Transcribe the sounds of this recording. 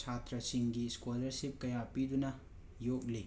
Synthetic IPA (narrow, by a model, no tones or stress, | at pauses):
at̪ɾɐsiŋɡiskwolɐɾsip̚kɐjapid̪unɐ | jok̚li